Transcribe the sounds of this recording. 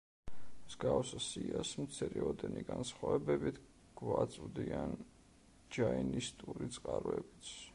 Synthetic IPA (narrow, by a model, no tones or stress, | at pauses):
zɡawsasiasmt̪sʰɛɾɛɔd̪ɛniɡansχavɛbɛbit̪ʰ | ɡ̥vat̪sʼvd̪ian | d͡ʒainist̪ʼuɾit̪sʼqʼaɾɛbit̪sʰ